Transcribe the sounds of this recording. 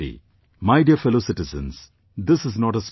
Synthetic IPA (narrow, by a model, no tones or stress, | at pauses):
ḭ | maɪɖjəfɛloːsɪʈɪzə̰̃ns | d̪ɪsɪznɔːʈəs